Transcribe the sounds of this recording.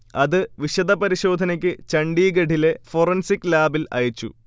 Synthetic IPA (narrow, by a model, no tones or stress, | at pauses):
ɐðɨʋiɕɐd̪ɐpɐɾiɕo̞ːd̪ʱɐnɐk̬ʲːɨt͡ɕɐɳɖiːɡeɖʱile̞forɐnsikʲːlaːbilɐ̰jɐt͡ɕːṵ